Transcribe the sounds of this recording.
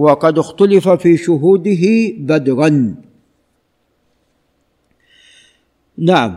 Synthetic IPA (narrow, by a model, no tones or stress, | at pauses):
wɑqɑd̪ɪxt̪alɪfafiːʃʊɦuːd̪ɪɦɪbad̪ɾan | naʕam